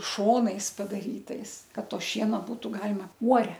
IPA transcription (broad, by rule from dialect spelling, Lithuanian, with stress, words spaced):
ˈʃoːnɐɪs pɐdɐˈrʲiːtɐɪs ˈkɐt ˈtoː ˈʃʲiɛnoː ˈbuːtʊ ˈɡɑːlʲɪmɐ ˈuɔrʲɛ